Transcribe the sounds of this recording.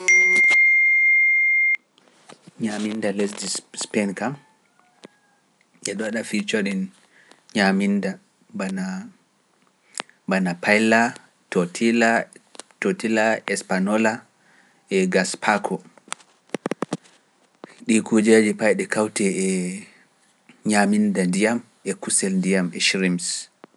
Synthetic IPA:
ɲamindalesdispɛnkam | ʔɛɗɔɗafit͡ʃoɗin | ɲaminda | bana | banapajla | totʰilatotilaɛspanɔla | ɛɡaspʰakʰɔ | ɗikud͡ʒad͡ʒipajɗɛkawtɛɛ | ɲamindandijam | ɛkusɛlndijamɛʃɾims

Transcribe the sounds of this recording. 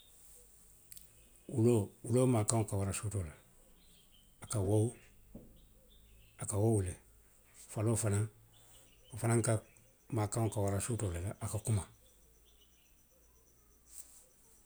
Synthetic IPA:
uloulomaːkãŋokawaɾasotɔla | kawɔu | akawɔwule | falofanã | ofanãŋka | maːkãŋkawaɾasotɔlalaʔakakuma

